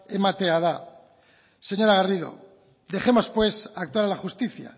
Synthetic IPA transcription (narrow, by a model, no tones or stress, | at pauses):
emat̪eaða | seɲo̞ɾaɣariðo̞̰ | d̪e̞χe̞mo̞spwe̞sak̚t̪waɾalaxust̪iθja̰